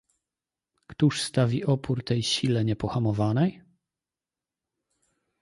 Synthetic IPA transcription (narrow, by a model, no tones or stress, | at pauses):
kt̪uʂst̪avʲiɔpʰuɾt̪ɛjɕilɛɲɛpɔxamɔvanɛj